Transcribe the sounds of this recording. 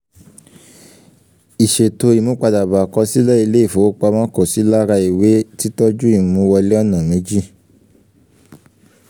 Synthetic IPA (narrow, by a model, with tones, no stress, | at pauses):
i˨ʃe˨to˧i˨mũ˦k͡pa˧da˨ba˨kɔ˧si˦lɛ˦i˧le˦i˦˨fo˨˦k͡pa˧mã˦ko˦˨si˨˦la˦ɾa˧i˨we˨˦ti˦tɔ˦d͡ʒu˦i˨mũ˨˦wɔ˧le˦ɔ˦˨nã˨mẽ˨˦d͡ʒi˦